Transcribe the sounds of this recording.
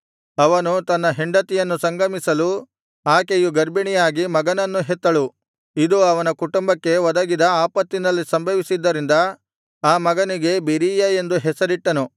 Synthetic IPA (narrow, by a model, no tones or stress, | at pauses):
ɐʋɐnut̪ɐnːɐɦeɳɖɐt̪ijɐnːusɐŋɡʱɐmisɐlu | aːkejuɡɐɾbiɳijaːɡimɐɡɐnɐnːuɦɛt̪ːɐɭu | id̪uɐʋɐnɐkuʈumbɐkːe̞ʋɐd̪ɐɡid̪ɐaːpɐt̪ːinɐlːisɐmbʱɐʋisid̪ːɐɾind̪ɐ | aːmɐɡɐniɡe̞biɾiːjɐe̞nd̪uɦɛsɐɾiʈːɐnu